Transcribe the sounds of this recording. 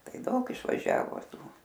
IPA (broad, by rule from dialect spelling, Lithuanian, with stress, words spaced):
ˈtɐɪ ˈdɐʊk ɪʃʋɐˈʒʲæːʋoː ˈtuː